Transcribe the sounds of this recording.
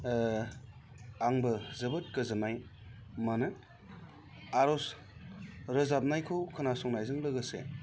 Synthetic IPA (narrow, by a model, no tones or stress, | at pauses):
aŋbɯzɯbɯt̚kɯzɯmajmanɯ | aɾɔs | ɾɯzap̚najkʰɯwkʰɯnasɔŋnajzɯŋlɯɡɯsḛ